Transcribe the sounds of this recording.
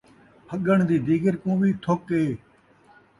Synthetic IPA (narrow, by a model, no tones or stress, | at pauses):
həɠəɳd̪iːd̪iːɡəɾkõːʋiːt̪ʰoːkeː